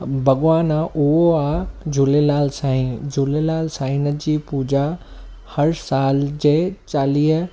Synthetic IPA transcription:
bʱɐɠʋaːnãʔʊɦoaːd͡ʑʱulelaːlsaːĩd͡ʑʊlelaːlsaːɪnəd͡ʑiːpuːd͡ʑa | hɐɾsaːld͡ʑeːt͡ɕaːliːɦ

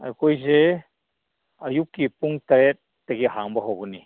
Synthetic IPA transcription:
a̰jkojze | ɐjup̚kipuŋtaɾet̚ | tːeɡiɦaŋbaɦobuni

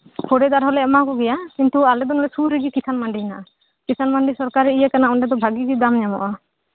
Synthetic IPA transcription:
kʰɔɖɛd̪aɾɦɔlɛɔmakɔɡɛjakint̪ualɛd̪ɔnɔlɛsuɾiɡikisʰanmaɳɖiinaʔa | kisʰanmaɳɖisɔɾkaɾɛijakanaɔɳɖɛd̪ɔbʱaɡiɡid̪amɲamɔ̰ʔa

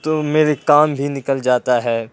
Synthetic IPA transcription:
t̪omeːɾekaːmbʱinɪkəld͡ʒaːt̪aɦɛː

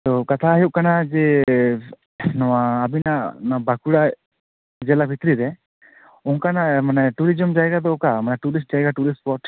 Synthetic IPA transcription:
t̪ɔkat̪ʰaɦjuʔ̚kanad͡ʒɛ | nɔwaːbinaʔnɔabakuɽa | d͡ʒɛlabʱit̪ɾiɾɛ | ɔŋkanamanɛʈuɾid͡ʒɔmd͡ʒajɡad̪ɔkamanɛʈuɾisʈ̚d͡ʒajɡaʈuɾisʈpɔʈ

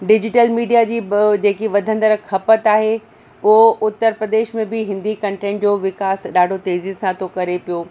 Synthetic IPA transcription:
ɖɪd͡ʑɪʈəlmiːɖijad͡ʑiːd͡ʑeːkiʋɐd̪ʱə̃nd̪əɾkʰɐpət̪aːɦe | ʊɦoʔʊt̪ːəɾpɾəd̪eːʃmẽbɪɦɪ̃nd̪ikɐ̃ɳʈẽːɳʈd͡ʑoːʋɪkaːsɗaːɖʱot̪eːzɪzsãt̪ʰokɐɾepijoː

